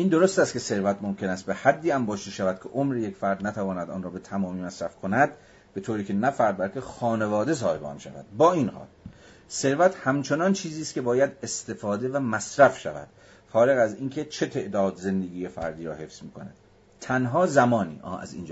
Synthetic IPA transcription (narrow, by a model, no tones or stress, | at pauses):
ʔiːnd̪o̞ɾost̪æst̪kʲʰe̞se̞ɾvæt̪mo̞mkʰe̞næst̪̚behæd̪ːiːæmbɒːʃiʃævæd̪̚kʰeʔomɾeje̞kfæɾd̪næt̪ʰævɒːnæd̪ɒ̰ːnrɒːbe̞t̪ʰæmɒːmiːmæsɾæfkʰonæd̪̥ | b̥e̞t̪ʰoːɾiːcʰe̞næfæɾd̪̚bælcʰʲe̞xɒːne̞vɒːd̪es̬ɒːhe̞beɒ̰nʃæ̰væ̰d̪̥bɒːiːnhɒ̰ːl | se̞ɾvæt̪hæmt͡ʃʰe̞nɒnt͡ʃʰiːziːst̪kcʰe̞bɒːjæd̪est̪e̞fɒːd̪e̞væmæsɾæfʃæ̰væ̰d̪̥ | xɒːɾe̞ɣæziːnkʰe̞t͡ʃʰe̞t̪ʰe̞ʔd̪ɒːd̪ze̞nd̪eɡʲiːjefæ̰ɾd̪iːɾɒ̰ːhe̞fsmiːkʰo̞næ̰d̪ | t̪ʰːænɦɒːzæmɒːnḭːʔɒ̰ːæ̰zḭːnd͡ʒ